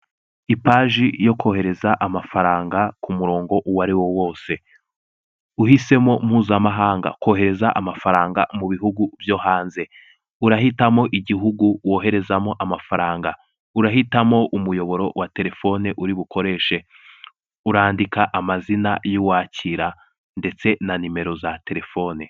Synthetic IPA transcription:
ipaːʒijo̞ko̞he̞ɾe̞zaʔamafaɾaːŋɡakumuɾo̞ːŋɡo̞ʔuwaɾiwo̞wo̞ːse̞ | uhise̞mo̞m̥huːzamaɦaːŋɡa̰ko̞ːɦe̞ɾe̞zaʔamafaɾaːŋɡa̰muβiɦuɡuvjo̞ːhaːnze̞ | uɾaɦitamo̞ʔiɟiɦuɡuwo̞ːɦe̞ɾe̞zamo̞ʔamafaɾaːŋɡa | uɾaɦitamo̞ʔumujo̞βo̞ɾo̞wate̞ɾe̞fo̞neʔuɾiβukʰo̞ɾe̞ːʃe̞ | uɾaːndikʰaʔamazinajuwaːcʰiɾa | nde̞t͡se̞nanime̞ɾo̞zate̞ɾe̞fo̞ːne

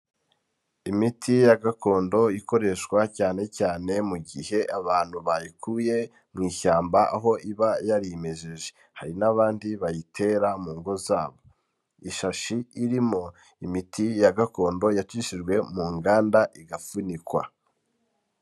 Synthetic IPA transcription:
imitʰijaɡako̞ːndo̞iko̞ɾe̞ʃkwacaːne̞caːne̞muɡihe̞ʔaβaːn̥huβajikʰuje̞ | mŋiːçaːmbaʔaɦo̞ʔiβajaɾime̞ʒeʒe | haɾinaβaːndiβajitʰe̞ɾamuːŋɡo̞zaːβo̞ | iʃaʃiːɾimo̞ | imitʰijaɡako̞ːndo̞jat͡ʃiʃiʒɡwe̞muːŋɡaːndaʔiɡafunikwa̰

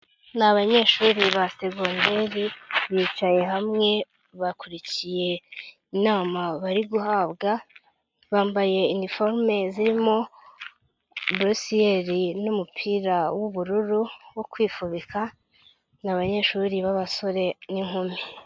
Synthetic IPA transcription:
naβaɲe̞ːʃuːɾiβase̞ɡonde̞ɾiβiːt͡ʃaje̞ɦamŋe̞ | βakuɾicije̞ | inaːmaβaɾiɡuhaːβɡa | βaːmbaje̞inifo̞ɾme̞ziɾimo̞ | bɾusieɾinumupʰiːɾawuβuɾuɾuwokwiːfuβika | naβaɲe̞ːʃuːɾiβaβaso̞ɾe̞niŋhumi

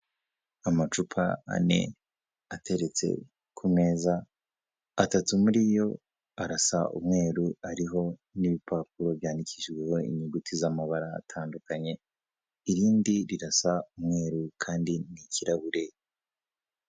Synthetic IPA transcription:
amat͡ʃupʰaa̰ne̞̰ | atʰe̞ɾe̞t͡se̞̰ | kʰume̞ːzaː | tatumuɾiːjo̞ | aɾasa̰ʔṵmŋe̞ːɾuaɾiɦo̞niβipʰaːp̚uɾo̞βjaːndicʰiʃɡwe̞ho̞ḭɲuɡutʰizamaβaɾa̰ːtʰaːndukaɲe̞ | iɾiːndiɾiɾasaumŋe̞ːɾukʰaːndiniciɾaβuɾe̞

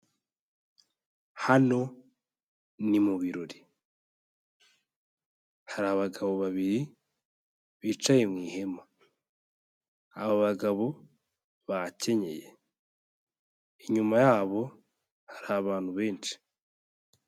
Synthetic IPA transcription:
hano̞ | nimuβiɾoɾi̥ | haɾaːβaɡaβo̞βaβiɾi | βiːt͡ʃajemŋiːhe̞ma | aβoβaɡaβo̞ | βace̞ɲe̞̰jḛ | iɲumajaːβo̞ | hḁɾaβaːn̥huβe̞ːnʃi̥

